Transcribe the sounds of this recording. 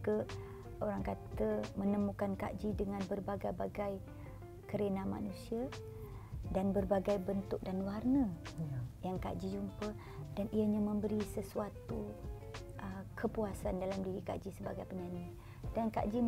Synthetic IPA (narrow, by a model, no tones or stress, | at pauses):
kə | oɾaŋkat̪əmənəmukanka̰ʔd͡ʒidəŋanbərbaɡajbaɡaj | kəɾenama̰nusia | danbərbaɡajbənt̪ʊk̚danwarnə | jaŋka̰ʔd͡ʒid͡ʒumpə | daniaɲamə̃mbəɾisəsuat̪u | əkʰəpuasandalamdiɾika̰ʔd͡ʒisəbaɡajpəɲani | danka̰ʔd͡ʒi